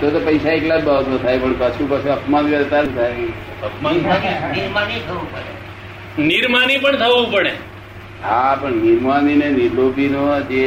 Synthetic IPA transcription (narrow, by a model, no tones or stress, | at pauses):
t̪ot̪opəjsaeklad͡ʒbabət̪ʋat̪ʰajpəɳpət͡ʃʰũpət͡ʃʰuəpmanaɾet̪aɾũt̪ʰajke | əpmananiniɾmanit̪ʰəʋũpəɽe | niɾmanipəɳt̪ʰəʋũpəɽe | apəɳniɾmanineniɾlobinod͡ʒe